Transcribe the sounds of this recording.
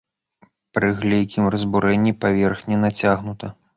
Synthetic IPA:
pɾɨɣlʲɛjkʲʰimrɐzbuɾɛnʲːipavʲɛrxnʲɛnat͡sʲaɣnut̪ɐ

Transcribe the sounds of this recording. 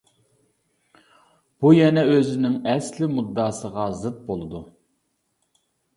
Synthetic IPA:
b̥ujɛnɛøzɪnɪŋɛslɪmud̪ːɑːsəʁɑzɨt̪̚bolˠɨd̪u

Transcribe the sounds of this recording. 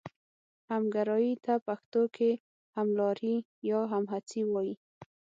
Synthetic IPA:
hamɡaɾɑjit̪apaxt̪okʰe | hamlɑɾi | jɑɦamɦat͡siwɔji

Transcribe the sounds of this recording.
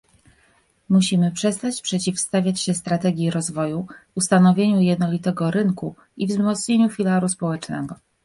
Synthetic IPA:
muɕimɘpʂɛst̪at͡ɕpʂɛt͡ɕifst̪avʲjat͡ɕɕɛst̪ɾat̪ɛɡʲjiɾɔzvɔjuust̪anɔvʲjeɲujɛd̪nɔlʲit̪ɛɡɔɾɘŋku | ivzmɔt̪sɲeɲufʲilaɾuspɔwɛt͡ʂnɛ̰ɡɔ

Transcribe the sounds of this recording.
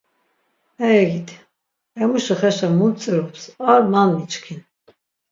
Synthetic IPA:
ɛjɛɡit̪ʰ | ɛmuʃəχɛʃɛmunt͡sʼɛɾɔpsaɾmanmit͡ʃkʰin

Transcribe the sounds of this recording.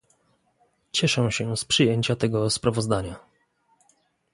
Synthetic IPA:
t͡ɕɛʂɛ̃ɕɛspʂɘjeɲt͡ɕat̪ɛɡɔspɾavɔzd̪aɲa

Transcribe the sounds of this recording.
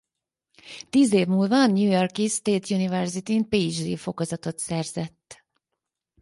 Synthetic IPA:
t̪iːzeːvmuːlvɒnːjuːjorkist̪eːt̪junivɛrzit̪inpid͡ʒd̪ḭːfo̞kozɒt̪o̞t̪sɛrzɛt̪ː

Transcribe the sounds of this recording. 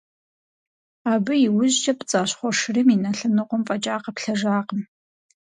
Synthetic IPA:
aːbɨjiwʊʑd͡ʒɐpʼt͡sʼaːɕχʷɔʂɨriminɐɬɨnɨqʷʊmfʼɐt͡ʃʼaːqɐpɬɐʒaːqəm

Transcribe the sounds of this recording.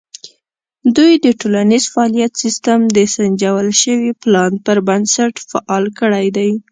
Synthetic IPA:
d̪ujd̪əʈolanizfaɑlijat̪sist̪amd̪əsand͡ʒawəlʃəwiplɑnpəɾbansaʈfaʔɑlkəɽajd̪aj

